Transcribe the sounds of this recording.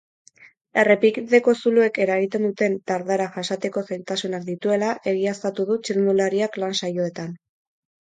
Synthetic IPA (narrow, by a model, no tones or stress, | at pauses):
e̞re̞pikðe̞ko̞sulue̞ke̞ɾaɣit̪e̞nd̪ut̪e̞nt̪aɾðaɾaʝasat̪e̞ko̞sejnt̪asunakd̪it̪ue̞laʔe̞ɣiast̪at̪uð̞ut͡ʃiɾnulaɾiaklansajo̞e̞t̪an